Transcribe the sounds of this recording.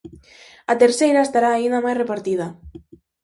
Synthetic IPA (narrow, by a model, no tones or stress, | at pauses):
at̪eɾsejɾaest̪aɾaːind̪amajrepaɾt̪ið̞a